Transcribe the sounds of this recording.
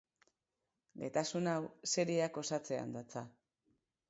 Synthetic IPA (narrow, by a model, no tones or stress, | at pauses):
ɡe̞t̪asunawse̞ɾiako̞sat͡se̞a̰nd̪at͡sa